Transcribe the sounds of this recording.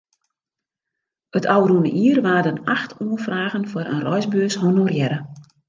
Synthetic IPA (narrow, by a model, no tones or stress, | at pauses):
ətʰawrunəʔiərʋaːdənaxtʰuənfraːɣənfəɾʔə̰nrɔjzbøːshɦonorjɛɾə